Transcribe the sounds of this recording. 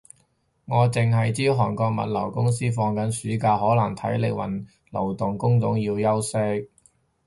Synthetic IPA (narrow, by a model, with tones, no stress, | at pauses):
ŋɔː˨˧t͡sɪ˨ŋɦɐ˨jt͡siː˥wɦɔː˨˩ŋkɔː˧k̚mɐ̰˨t̚lɐ˨˩wkʊ˥ŋs̬iː˥fɔː˧ŋkɐ˨˥nsyː˨˥kaː˧hɔː˨˥lɐ˨˩ŋt̪ʰɐ̰˨˥jlɪ̰˨˩kwɐ̰˨˩n | lɐ˨˩wt̪ʊ˨ŋkʊ˥ŋt͡sʊ˨˥ŋjiː˧wjɐ˥wsɛ˥k̚